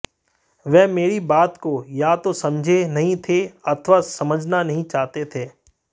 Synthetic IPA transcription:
ʋɛɦmeːɾibaːt̪kojat̪osɐ̃md͡ʒʱenɐɦĩt̪ʰeɐt̪ʰʋasɐməd͡ʒʱnanɐɦĩt͡ʃaːɦt̪et̪ʰeː

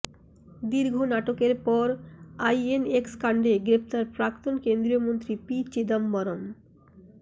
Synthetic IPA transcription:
d̪iɾɡʱonaʈokeɾpɔɾajenekskaɳɖeɡɾep̚ʰt̪aɾpɾakt̪onkend̪ɾijomont̪ɾipit͡ɕid̪ambɔɾom

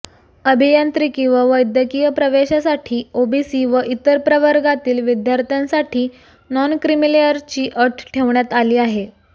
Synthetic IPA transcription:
əbʱijant̪ɾikĩʋaʋəjd̪ʱjəkijəpɾəʋeɕasaʈʰiːobisiːʋəʔit̪əɾpɾəʋəɾɡat̪iːlʋid̪jaɾt̪ãnsaʈʰiː | nɔnkɾimilejəɾt͡ɕiːʔəʈʰʈʰeʋɳjat̪aliːaɦe

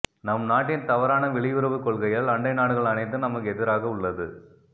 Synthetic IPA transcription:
nɐmnaːʈ̬ːɪnt̪ɐʋɐɾaːnɐʋɪɭɪʋɯɾɐʋɯkɔɭɣɐjɐlɐɳɖɐɪnaːɽɯɣɐɭɐnɐɪt̪̬ːɯnɐmɐkːɛðɪɾaːɣɐʊɭːɐðɯ̰

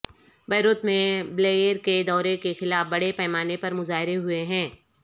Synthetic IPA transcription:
bɛːɾoːt̪mẽbleːjəɾked̪ɔːɾekexɪlaːfbɐɽepɛːmaːnepɐɾmʊzaːɦɪɾeɦʊeɦɛ̃ː

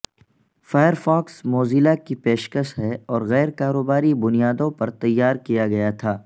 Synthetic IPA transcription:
faːjəɾfɔːksmoːziːlakipeːʃkəʃɦɛɔːɾɣɛːɾkaːɾoːbaːɾibʊnijaːd̪õpɐɾt̪ɐjːaːɾkijaɡɐjat̪ʰaː

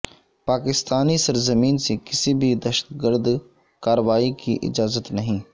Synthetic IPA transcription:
paːkɪst̪aːnisɐɾzəmiːnsekɪsibʱid̪ɐʃə̥t̪ɡəɾd̪ | kaːɾəʋaːikḭʔɪ̰d͡ʒaːzət̪nɐɦĩː

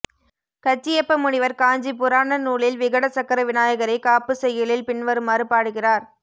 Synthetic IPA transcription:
kɐt͡ʃːɪjɐpːɐmʊɳɪʋɐɾkaːɲd͡ʒipʊɾaːnɐnuːɭɪlʋɪɣɐɽɐsɐkːɐɾɐʋɪnaːjɐɣɐɾɐɪkaːpːɯsɛjːɐlɪlpɪɳʋɐɾɯmaːɾɯpaːɽɯɣɪraːɾ

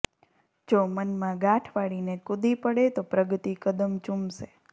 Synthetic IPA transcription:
d͡ʒomənmãɡãʈʰʋaɽinekud̪ipəɽet̪opɾəɡt̪ikəd̪əmt͡ʃumʃe

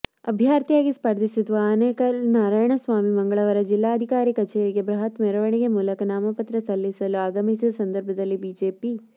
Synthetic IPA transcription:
ɐbʱjaːɾt̪ijaːɡispɐɾd̪ʱisid̪ʋɐːneːkɐnaːɾaːjɐɳɐsʋaːmimɐŋɡɐɭɐʋɐɾɐd͡ʒilːaːɐd̪ʱikaːɾikɐt͡ʃeːɾiɡe̞bɾɐɦɐt̪mɛɾɐʋɐɳiɡemuːlɐkɐnaːmɐpɐt̪ɾɐsɐlːisɐluaːɡɐmisiɐsɐnd̪ɐɾbʱɐd̪ɐlːibiːd͡ʒeːpi

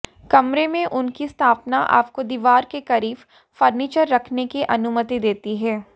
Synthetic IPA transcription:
kɐmɾemẽʔʊnkist̪ʰaːpnaʔa̰ːp̚kod̪iːʋaːɾkekɐɾiːf | fɐɾniːt͡ʃəɾːɐkʰnekiʔɐnʊmət̪id̪eːt̪iɦɛː

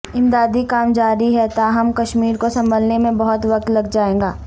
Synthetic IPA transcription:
ɪ̃md̪aːd̪ikaːmd͡ʒaːɾiɦɛt̪aɦɐmkɐʃmiːɾkosɐ̃mbəlnemẽbɐɦʊt̪ʋɐk̚t̪lɐɡd͡ʒaːẽːɡaː

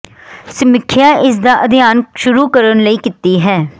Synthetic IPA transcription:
sɪmɪkʰːɪjaːʔɪs̬d̪aːʔəd̪ɪjaːnʃʊɾuːkəɾənləiːkɪt̪iːɦɛː

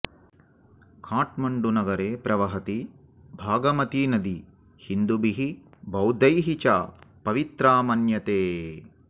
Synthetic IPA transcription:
kʰaːʈmɐɳɖunɐɡɐɾeːpɾʔɐʋɐɦɐt̪i | bʱaːɡɐmɐt̪inɐd̪i | hind̪ubiɦibɐwd̪ɐjɦit͡ʃaːpɐʋit̪ɾaːmɐnjɐt̪eː

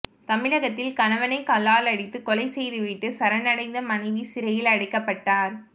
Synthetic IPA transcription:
t̪ɐmɪɻɐɣɐt̪ːɪlkɐnɐʋɐnɐɪkɐlːaːlɐɽɪt̪ːɯkɔlɐɪsɛjðɯʋɪʈːɯsɐɾɐnɐɽɐɪnd̪ɐmɐnɐɪʋisɪɾɐjɪlɐɽɐɪkːɐpːɐʈːaːɾ

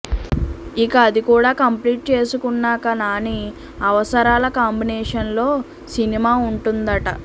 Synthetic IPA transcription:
ikɐːd̪ikuːɽaːkɐmpliːʈ̚t͡ʃe̞ːsukunːaːkɐnaːni | ɐʋɐsɐɾaːlɐkaːmbinɛːʂɐnlo̞ː | sinimaːuɳʈund̪ɐʈɐ̰

